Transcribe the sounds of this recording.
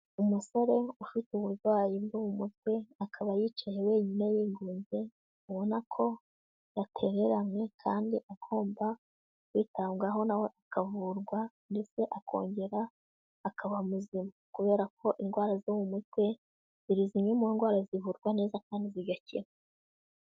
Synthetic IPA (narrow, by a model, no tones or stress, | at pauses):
umuso̞ɾe̞ufituβuɾɡwaːjibɡuwumutwe̞akʰaβajit͡ʃajewe̞ːɲinejiːŋɡuːnze̞ | uβo̞nakʰo̞ | jatʰe̞ɾe̞ɾamŋe̞kʰaːndiʔaɡʰo̞ːmba | wiːtaːŋɡaɦo̞nawe̞ʔakavuɾɡwa | ndet͡se̞ʔakʰo̞̰ːɲɟe̞ɾaː | kaβamuzimakuβe̞ːɾak̚ʰo̞ʔinɡwaːɾazuwumutwe̞ | z̥iɾiziɲemuinɡwaːɾazivuɾɡwane̞ːzakaːndiziɡacḭɾa